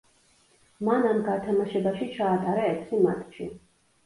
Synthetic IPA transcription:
manamɡat̪ʰamaʃɛbaʃit͡ʃʰaːt̪ʼaɾaɛt̪sʰima̰t̪ʰʼʃʰḭ

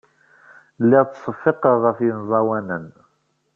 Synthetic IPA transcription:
lːɪʁt͡s̪sˤəfːɪqəʁʁəfjənzˤɑwænən

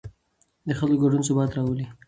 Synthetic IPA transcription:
d̪əxəloɡaɖuns̬ʊbɑt̪ɾɑwəli

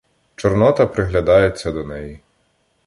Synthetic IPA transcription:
t͡ʃɔrnɔt̪ɐpɾɪɦlʲɐd̪ɑjet͡sʲːɐd̪ɔnɛji

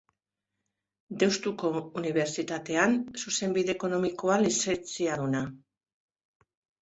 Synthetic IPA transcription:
d̪e̞wst̪uko̞uniβ̞e̞ɾt͡sit̪at̪e̞ansuse̞mbiðe̞ːko̞no̞miko̞alise̞nt͡siaðuna

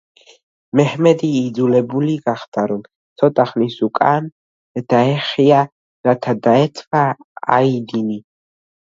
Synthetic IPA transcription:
mɛhmɛd̪iːd̪zulɛbuliɡaχd̪̥aɾɔm | t̪sʰɔt̪ʼaχnisukʼan | d̪̥aɛχia | ɾat̪ʰad̪aɛt̪ʰvaa̰id̪ini

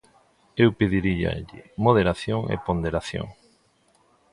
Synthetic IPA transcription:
ewpeðiɾiʎa̰ʎḭmoð̞eɾaθjoŋḛpond̪eɾaθjo̰ŋ

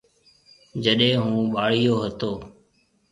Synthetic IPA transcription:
d͡ʒəɗẽːɦũːɓaːɽijoːɦət̪oː

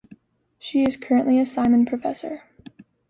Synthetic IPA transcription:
ʃiɪz̥kʰɜ˞ɨ̃nʔliɨsãɪ̃mɨ̃npʰɹ̥ɨfɛsə˞

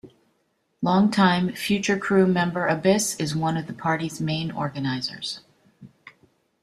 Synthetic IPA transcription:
lɔ̃ŋtʰãɪ̃ɱfjʉt͡ʃə˞kʰɹ̥ʉmɛ̃mbə˞ʔɨbɪsɨzwʌ̃nʌvðəpʰɑɹɾizmẽɪ̃nɔ̰ɹɡɨnaɪzə̰˞z̥

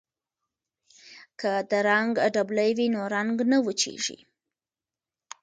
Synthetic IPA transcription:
kəd̪əɾaŋɡɖabləjwinoɾaŋɡnəwət͡ʃḛʒḭ

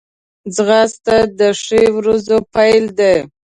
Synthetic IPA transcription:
zɣɑst̪ad̪əʂewɾazopajld̪e

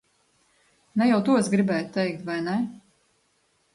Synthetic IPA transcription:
nɛjawt̪uɔsɡɾibɛːj̪t̪ːɛjk̚t̪vajnɛ

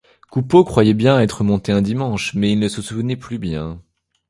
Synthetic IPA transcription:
kupokχwajɛbjɛ̃ɛt̪χəmɔ̃t̪eɛ̃d̪imɑ̃ʃmɛilnəsəsuvənɛplybjɛ̃

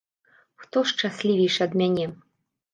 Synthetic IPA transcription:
xt̪ɔʂt͡ʂasʲlʲivʲijʂɐd̪mʲanʲɛ

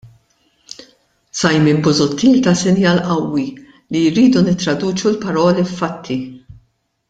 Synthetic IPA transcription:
sɐjmɪnbʊzʊt̪ːiːlt̪ɐsɪnjɐːlʔɐwːi | liɾiːd̪unɪt̪ːɾɐd̪uːt͡ʃulpɐɾɔːlifːɐt̪ʰːi

